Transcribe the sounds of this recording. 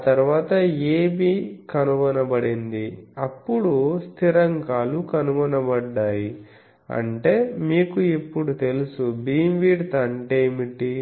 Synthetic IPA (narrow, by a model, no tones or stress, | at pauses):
at̪ɐɾʋaːt̪ɐeːbiːkɐnuʋɐnɐbɐɽind̪iɐpːuɽust̪ʰiɾɐŋɡaːlukɐnuʋɐnɐbɐɖːaːji | ɐ̰ɳʈe̞ːmiːkuepːuɽut̪e̞lusubiːmʋiːɖt̪ɐɳʈejmiʈi